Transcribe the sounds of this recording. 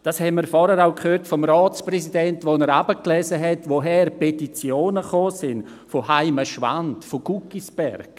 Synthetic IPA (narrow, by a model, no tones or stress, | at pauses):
d̥ɑshɛnmiːɾfɔɾəɾaʊkχøːɾtfɔmraːt͡sprɛsidɛntvonɛɾabəklɛzəɦɛtvoɦɛɾpɛtit͡sjoːnəχoːsɪn | fohaɪməʃva̰ntfoɡ̥ukisb̥ɛrk